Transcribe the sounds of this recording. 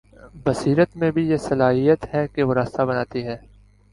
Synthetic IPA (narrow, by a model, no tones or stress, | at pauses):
bɐsiːɾət̪mẽbʱijesɐlaːɦijət̪ɦɛkeʋoɾaːst̪abɐnaːt̪iɦɛː